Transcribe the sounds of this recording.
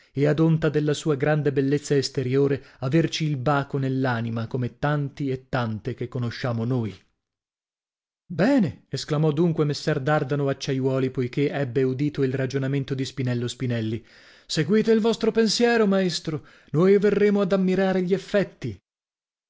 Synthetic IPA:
ead̪ont̪ad̪elːasuːaɡɾand̪ebelːet̪sːaest̪eɾjoːɾeavert͡ʃiːlbaːkonelːaːnimakomet̪ːant̪iet̪ːant̪ek̟ekːonoʃːaːmonoːj | bɛːneesklamɔd̪ːuŋkwemesːɛrd̪ard̪anoat͡ʃːajwɔːlipojkeʔɛbːeud̪iːt̪oilrad͡ʒonament̪od̪ispinɛlːospinɛlːi | seɡwiːt̪eilvɔst̪ɾopensjɛːɾomaest̪ɾo | noːjverːeːmoad̪amːiɾaːɾeʎiefːɛt̪ːi

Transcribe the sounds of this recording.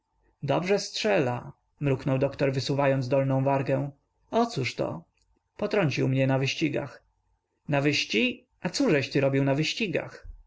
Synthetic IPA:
d̪ɔ̰bʐɛstʂɛla̰ | mɾuknɔwd̪ɔkt̪ɔɾvɘsuvajɔnd̪ɔlnɔ̃w̃vaɾɡɛw̃ | ɔt̪suʂt̪ɔ̰ | pɔt̪ɾɔɲt͡ɕiwmɲɛnavɘɕt͡ɕiɡa̰x | navɘɕt͡ɕi | at̪suʐɛɕt̪ɘɾɔbʲiwnavɘɕt͡ɕiɡa̰x

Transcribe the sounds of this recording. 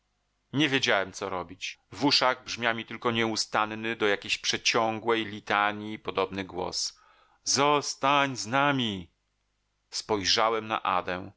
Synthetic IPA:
ɲɛvʲjed͡ʑawɛmt̪sɔɾɔbʲit͡ɕvuʂaɣbʐmʲjamʲit̪ɘlkɔɲɛust̪annɘd̪ɔjakʲeɕpʂɛt͡ɕɔŋɡwɛjlʲit̪aɲipɔd̪ɔbnɘɡwɔ̰s | zɔst̪aɲznamʲi | spɔjʐawɛmna̰ʔa̰d̪ɛ

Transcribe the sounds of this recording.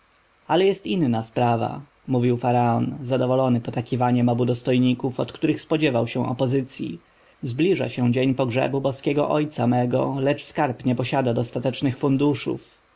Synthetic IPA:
alɛjɛst̪inːaspɾava̰ | muvʲiwfaɾaɔnzad̪ɔvɔlɔnɘpɔt̪akʲivaɲɛmɔbud̪ɔst̪ɔjɲikufɔt̪kt̪uɾɘxspɔd͡ʑɛvawɕɛ̃ʔɔ̰pɔzɘt̪sʲjḭ | zblʲiʐa̰ɕɛ̃d͡ʑeɲpɔɡʐɛ̰bubɔskʲɛɡɔ̰ʔɔjt̪samɛɡɔlɛt͡ʂskaɾpɲɛpɔɕad̪ad̪ɔst̪at̪ɛt͡ʂnɘxfund̪uʂṵf

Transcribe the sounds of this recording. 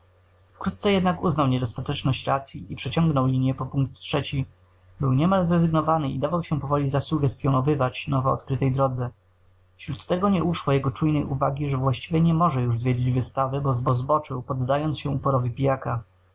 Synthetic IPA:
fkɾut̪̚tsɛjɛd̪nakuznawɲɛd̪ɔst̪at̪ɛt͡ʂnɔɕt͡ɕɾat̪sʲjiʔipʂɛt͡ɕɔŋɡnɔwlʲiɲjɛpɔpuŋk̚t̪tʂɛt͡ɕi | bɘwɲɛmalzɾɛzɘɡnɔvanɘid̪avawɕɛpɔvɔlʲizasuɡɛst̪ʲjɔnɔvɘvat͡ɕnɔvɔɔ̰t̪kɾɘt̪ɛjd̪ɾɔd̪zɛ | fɕɾut̪ːɛɡɔɲɛʔuʂwɔjɛɡɔt͡ʂujnɛjʔuvaɡʲiʐɛvwaɕt͡ɕivʲjɛɲɛmɔʐɛjuʐzvʲjed͡ʑid͡ʑvɘst̪avɘbɔzbɔzbɔt͡ʂɘwpɔd̪ːajɔnt̪sɕɛupɔɾɔvʲipʲijaka

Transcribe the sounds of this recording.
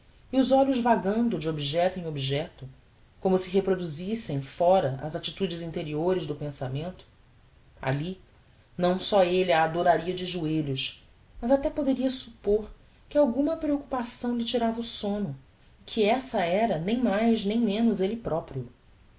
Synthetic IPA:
iʊzɔʎʊzvaɡɐ̃nd̪ʊd͡ʒɪobiʒɛt̪ʊẽobiʒɛt̪ʊ | kõmʊsɪɦepɾod̪uzisẽj̃fɔɾɐʔɐ̰zat͡ʃit̪ud͡ʒɪzĩnt̪eɾioɾɪʒd̪ʊpẽsamẽnt̪ʊ̥ | a̰li | nɐ̃w̃sɔeliaːd̪oɾaɾiɐd͡ʒɪʒueʎʊʃ | mɐzat̪ɛpod̪eɾiɐsupoɾ | kɪawɡũmɐpɾeokupasɐ̃w̃lɪt͡ʃiɾavɐusõnʊ | ɪkʰiɛsɐɛɾɐnẽj̃majznẽj̃mẽnʊzelɪpɾɔpɾiʊ

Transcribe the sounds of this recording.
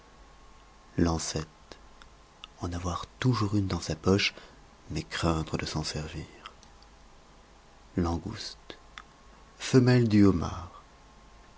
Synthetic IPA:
lɑ̃sɛt̪ | ɑ̃navwaʁt̪uʒuʁynd̪ɑ̃sapɔʃ | mɛkχɛ̃t̪χəd̪əsɑ̃sɛʁviːʁ | lɑ̃ɡṵst̪ | fəmɛld̪yoma̰ːʁ

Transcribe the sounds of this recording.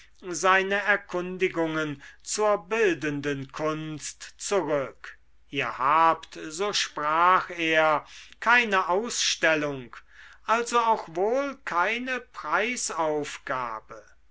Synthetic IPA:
zaɪnəɛɐkʰʊndɪɡʊŋənt͡suːɐbɪldəndənkʰʊnstt͡suʁʏk | ʔiːɐhaːptzoːʃpʁ̥aːxeːɐkʰaɪnəʔaʊsʃtɛlʊŋkʔalzoaʊxvoːlkʰaɪnəpʁ̥aɪsaʊfɡ̥a̰ːbə

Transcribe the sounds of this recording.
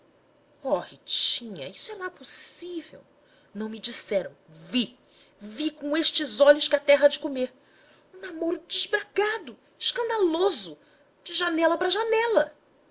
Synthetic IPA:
ɔhit͡ʃĩɲɐ̰isʊɛnɐ̃ɛposivḛw | nɐ̃w̃mɪd͡ʒisɛɾɐ̰̃w̃vi | vikõeʃt͡ʃɪzɔʎʊʃkɪɐt̪ɛɦɐd͡ʒɪkomeɾ | ũnamoɾʊd͡ʒɪʒbɾaɡad̪ʊ | ɪʃkɐ̃nd̪alozʊ | d͡ʒɪʒanɛlɐpɾɐʒanɛlɐ

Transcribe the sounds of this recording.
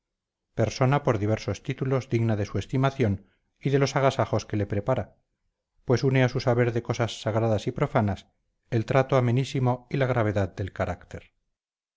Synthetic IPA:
pe̞ɾso̞napo̞ɾðiβ̞e̞ɾso̞st̪it̪ulo̞zðiɣnaðe̞sue̞st̪imaθjo̞n | iðe̞lo̞saɣ̞asaχo̞ske̞le̞pɾepaɾa | pwe̞suneasusaβe̞ɾðe̞ko̞sasːaɣɾaðasipɾo̞fanas | elt̪ɾat̪oame̞nisimo̞ilaɣ̞ɾaβ̞e̞ðaðd̪e̞lkaɾakt̪e̞ɾ

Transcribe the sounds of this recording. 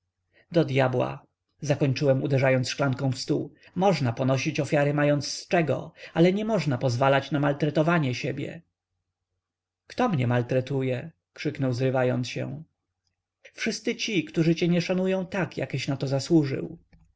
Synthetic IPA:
d̪ɔd̪jabwa̰ | zakɔɲt͡ʂɘwɛmud̪ɛʐajɔnt̪sʂklaŋkɔ̃w̃fst̪umɔʐnapɔnɔɕit͡ɕɔfʲjaɾɘmajɔnt̪sst͡ʂɛɡɔ̰alɛɲɛmɔʐnapɔzvalat͡ɕnamalt̪ɾɛt̪ɔvaɲɛɕebʲjɛ̰ | kt̪ɔmɲɛmalt̪ɾɛt̪ujɛ | kʂɘknɔwzɾɘvajɔnt̪sɕɛ̰̃ | fʂɘst̪sɘt͡ɕikt̪uʐɘt͡ɕɛɲɛʂanujɔ̃w̃t̪akja̰kɛɕnat̪ɔzaswuʐɘ̰w

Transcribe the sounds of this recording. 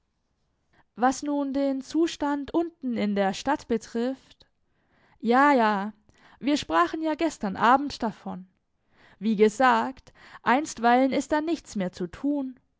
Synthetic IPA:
vasnuːndeːnt͡suːʃtantʔʊntn̩ɪndeːɐʃtatb̥ətʁ̥ɪft | jaːjaː | viːɐʃpʁ̥aːχn̩jaːɡɛstɐnʔaːbm̩td̥afɔn | viːɡəzaːkt | ʔaɪnstv̥aɪlənɪst̚d̥aːnɪçt͡smeːɐt͡sutʰuːn

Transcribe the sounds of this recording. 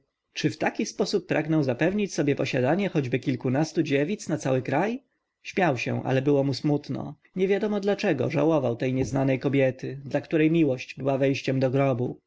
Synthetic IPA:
t͡ʂɘft̪akʲispɔsupːɾʔaɡnɔw̃zapɛvɲit͡ɕsɔbʲjɛpɔɕad̪aɲɛxɔd͡ʑbɘkʲilkunast̪ud͡ʑevʲit̪snat̪sawɘkɾaj | ɕmʲjawɕɛ̰ʔa̰lɛbɘwɔmusmut̪nɔ̰ | ɲɛvʲjad̪ɔmɔd̪lat͡ʂɛɡɔ̰ʐa̰wɔvawt̪ɛjɲɛznanɛjkɔbʲjɛt̪ɘd̪lakt̪uɾɛjmʲiwɔɕd͡ʑbɘwavɛjɕt͡ɕɛmd̪ɔɡɾɔbu

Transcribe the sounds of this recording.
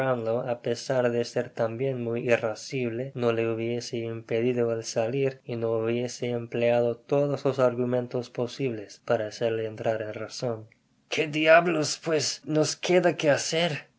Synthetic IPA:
and̪oapesaɾðeseɾt̪ambje̞nmujirasiβlenoleuβjeseimpeðiðoalsaliɾinouβje̞seːmpleaðot̪oðoslosaɾɣumẽ̞nt̪ospo̞siβle̞spaɾaːseɾleːnt̪ɾaɾenraso̞n | kʰed̪jaβlospwesnoskʰeðakeaseɾ

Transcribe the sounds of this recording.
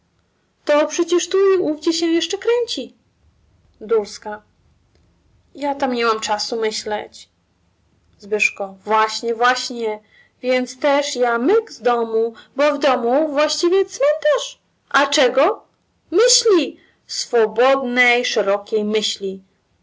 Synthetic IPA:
t̪ɔpʂɛt͡ɕɛʂt̪uiuvd͡ʑɛɕɛ̃jɛʂt͡ʂɛkɾɛɲt͡ɕi | d̪ulska | jat̪amɲɛmamt͡ʂasumɘɕlɛt͡ɕ | zbɘʂkɔvwaɕɲɛvwaɕɲɛ | vʲjɛnt̪st̪ɛʂjamɘɡzd̪ɔmubɔvd̪ɔmuvwaɕt͡ɕivʲjɛt̪smɛnt̪aʂ | ʔat͡ʂɛɡɔ | mɘɕlʲi | sfɔbɔd̪nɛjʂɛɾɔkʲejmɘɕlʲi

